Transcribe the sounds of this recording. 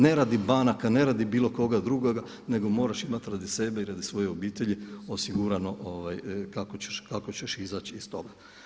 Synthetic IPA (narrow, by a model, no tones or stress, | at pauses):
ne̞ɾad̪ibanakane̞ɾaːd̪ibiːlo̞ko̞ɡad̪ɾuɡoɡa | ne̞ɡo̞mo̞ːɾaʃimat̪ɾad̪ise̞be̞iɾad̪isʋo̞jeobiːt̪e̞ʎiosiɡuɾano̞ʔoʋajkakot͡ɕe̥ʃkakot͡ɕeʃizaːt͡ɕist̪o̞ɡa